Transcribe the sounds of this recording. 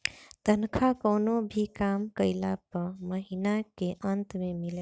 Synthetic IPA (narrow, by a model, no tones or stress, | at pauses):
t̪ənkʰakəʊnobʱikamkəɪlapəməɦinakeʔənt̪memile